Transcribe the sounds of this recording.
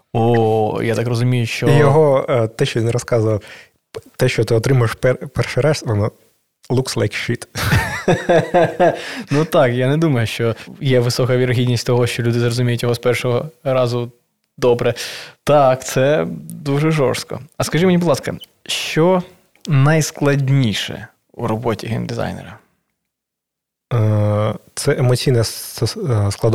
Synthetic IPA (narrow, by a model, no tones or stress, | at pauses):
ɔjat̪ɑkrɔzʊmʲijʊʃt͡ʃɔjɔɦɔt̪ɛʃt͡ʃɔnɛɾɔskɑzʊʋɐ | t̪ɛʃt͡ʃɔt̪ɪɔt̪ɾɪmʊjɪʃpɛpɛrʃɪɾɑʃʋɔnɔ | lˠukslˠɛjkʃit̪ | nut̪ɑkjanɛd̪umɐjʊʃt͡ʃɔjɛʋɪsɔkɐʋʲiɾɐɦʲidʲnʲisʲtʲt̪ɔɦɔʃt͡ʃɔlʲud̪ɪzrɔzʊmʲijʊtʲjɔɦɔspɛrʂɔɦɔɾɑzʊ | d̪ɔbɾɛt̪ɑkt̪sɛd̪uʒɛʒɔ̰rst̪kɔ̰ɐskɐʒimnʲibd̪lˠɑskɐ̰ | ʃt͡ʃɔ | nɐjsklˠɐdʲnʲiʃɛ̰ | uɾɔbɔtʲiɦɛnd̪ɪzɑ̰jnɛ̰ɾɐ | t̪sɛʔemɔt͡sʲijnɛ | sklˠɐd̪